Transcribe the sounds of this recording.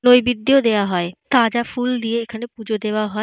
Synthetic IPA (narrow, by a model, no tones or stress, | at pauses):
nojbid̪ːijod̪eaɦɔet̪ad͡ʑafuld̪ijeekʰanepud͡ʑod̪ewaɦɔ